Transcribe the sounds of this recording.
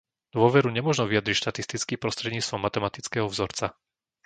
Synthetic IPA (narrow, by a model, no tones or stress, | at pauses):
d̪ʊɔʋɛɾuɲɛmʊɔʒnɔʋijad̪ɾicʃt̪at̪ist̪it͡skiːpɾɔst̪ɾɛd̪ɲiːt͡st̪ʋɔmːat̪ɛmat̪it͡skɛɦɔvzɔɾt͡sa